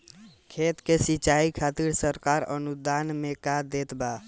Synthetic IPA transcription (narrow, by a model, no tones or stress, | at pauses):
kʰet̪kesit͡ʃaikʰat̪iɾsəɾkaɾə̰nud̪anmekad̪et̪ba